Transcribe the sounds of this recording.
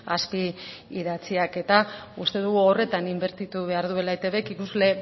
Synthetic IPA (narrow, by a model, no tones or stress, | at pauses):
aspiː | ðat͡siake̞t̪aust̪e̞ðuɣuo̞re̞t̪animbe̞ɾt̪it̪uβ̞e̞aɾðue̞lajt̪e̞βe̞kikuzle̞